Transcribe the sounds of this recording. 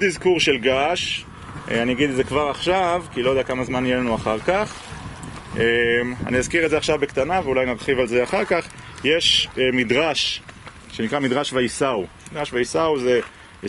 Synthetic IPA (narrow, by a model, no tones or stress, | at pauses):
odizkuʁʃelɡaʃ | eanijaɡid̪zekvaʁaχʃavkilojd̪eakamazmanijelanuaχaʁkaχ | ema̰nijazkiʁetzeaχʃavbekt̪anaveulajnaʁχivalze̞aχaʁkaχjeʃmid̪ʁaʃ | ʃenikʁamid̪ʁaʃvaisaumid̪ʁaʃvaisauze